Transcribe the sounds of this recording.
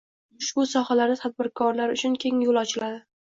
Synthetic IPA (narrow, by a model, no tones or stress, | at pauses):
ʊʃbʊsɒhalaɾnɪt̪ʰad̪̚bɪɾkʰɒɾlaɾʊt͡ʃʰʊnkʲʰe̞ŋjolˠɒt͡ʃʰɪlad̪ɪ